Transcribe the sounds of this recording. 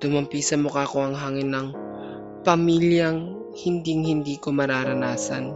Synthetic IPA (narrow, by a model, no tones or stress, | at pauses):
t̪ʊmɐmpiːsɐmokaːkoɐŋɦaːŋɪnːɐŋ | pɐmiːljɐŋ | hɪnd̪iŋhɪnd̪iːkomɐɾaːɾɐnaːsɐ̰n